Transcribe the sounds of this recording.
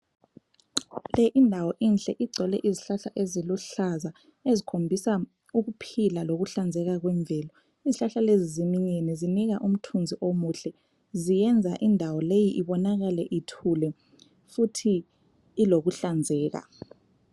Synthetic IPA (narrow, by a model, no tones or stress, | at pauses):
lɛʔindʱawɔʔinɬɛʔiɡ͡ǀʱɛlɛʔiziɬaɬaʔeziluɬaza | ezikʰombʱisa | uɣupʰilaloɣuɬand͡zʱɛɣaɣ̬wɛɱbvʱɛːlɔ | iziɬaɬalezizimiɲɛnɛziniɣaʔum̩tʰund͡zʱiʔomuːɬɛ | zijɛnd͡zʱaʔindʱawɔlejiʔiβɔnaɣalɛʔitʰulɛ | futʰiː | loɣuɬand͡zʱɛːɣa̰